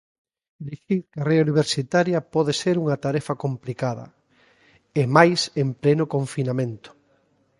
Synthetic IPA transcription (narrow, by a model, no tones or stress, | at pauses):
d̪iʃiɾkɐreuniβ̞eɾsit̪aɾjɐpɔðeseɾuŋɐt̪aɾɛfɐkomplikaðɐ̰ | emajsemplenʊkoɱfinamẽnt̪ʊ̥